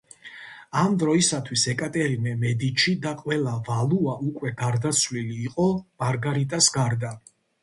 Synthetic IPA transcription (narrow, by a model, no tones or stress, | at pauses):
amd̪ɾɔisat̪ʰwisɛkʼat̪ʼɛɾimɛmɛd̪it͡ʃʰid̪aqʼwɛlˠavalˠuaʔukʼwɛɡaɾd̪at̪sʰvliliːqʼɔmaɾɡaɾit̪ʼasɡaɾd̪a